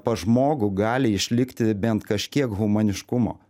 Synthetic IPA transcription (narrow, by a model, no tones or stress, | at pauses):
pɐʒmoːɡʊɡɑːlʲɪɪʃʲlʲɪkt̪ʲɪbʲɛnt̪kɐʃʲkʲiɛkɣʊmɐnʲɪʃkʊmo̰ː